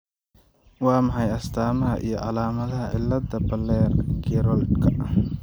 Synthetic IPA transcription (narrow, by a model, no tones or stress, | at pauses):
wɑːmɑħɑjɐst̪ʰaːmɐɦɐʔḭjɞʕɑlaːmɐðɐɦɐ̰ʔɪ̰lːɐd̪ɐbɐlɛːrɡʰiːɾɔld̪kʰɐ